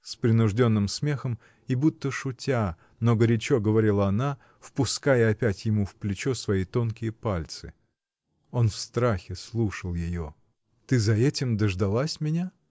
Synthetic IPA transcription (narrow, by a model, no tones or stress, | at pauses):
spɾʲɪnʊʐdʲo̞nːɨmsmʲe̞xəm | ɪbut̪ːəʂʊtʲa | noɡəɾʲɪt͡ɕo̞ɡəvɐɾʲilˠəɐna | fpʊskajəɐpʲætʲjɪmufplʲɪt͡ɕo̞svɐit̪o̞nkʲɪjəpalʲt̪sɨ | o̞nfst̪ɾaxʲɪslˠuʂəlˠjɪjo | t̪ɨzɐɛtʲɪmd̪əʐd̪ɐlˠasʲmʲɪnʲa